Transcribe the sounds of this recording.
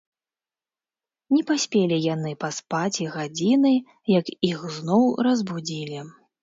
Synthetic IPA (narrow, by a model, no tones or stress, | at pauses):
nʲɛpasʲpʲelʲijan̪ɨpaspat͡sʲiɣad͡zʲinɨ | jɐkixznɔwɾɐzbud͡zʲilʲi